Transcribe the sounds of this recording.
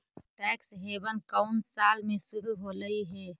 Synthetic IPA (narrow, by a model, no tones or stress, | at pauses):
ʈɛːksɦebənkəʊnsaːlmẽsʊɾuɦoləiɦɛ